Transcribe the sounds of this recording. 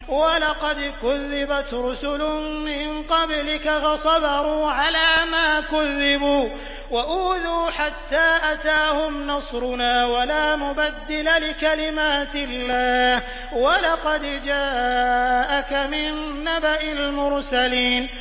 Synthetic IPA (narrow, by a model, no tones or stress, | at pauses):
walɑqɑd̪kʊðːɪbat̪ɾʊsʊlʊmɪnqɑblɪkafɑsˤɑbɑɾˤuːʕalaːmaːkʊðːɪbuː | waʔuːðuːħat̪ːaːʔat̪aːhʊmnɑsˤɾʊnaːwalaːmʊbad̪ːɪlalɪkalɪmaːt̪ɪlːaːh | walɑqɑd̪d͡ʒaːʔakamɪnːabaʔɪlmʊɾsaliːn